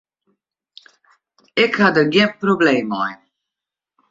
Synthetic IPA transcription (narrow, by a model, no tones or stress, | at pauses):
ɪkhadərɡjɪənprobleːmɔj